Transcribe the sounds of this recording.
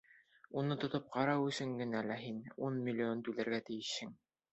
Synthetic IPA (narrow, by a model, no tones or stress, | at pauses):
unɤt̪ŏt̪ɤp̚qɑɾɑwɵ̆sɵŋɡɘ̆nælæɦinunmʲilʲːiont̪ʉlæ̆ɾɡæt̪ɘ̆jɘ̆ʃhɘŋ